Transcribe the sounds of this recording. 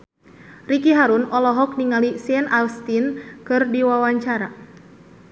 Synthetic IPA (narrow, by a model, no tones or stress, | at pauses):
rikiɦaɾunɔlɔɦɔk̚niŋalisiɛnʔalst̪inkɨrdiwawaɲt͡ʃaɾa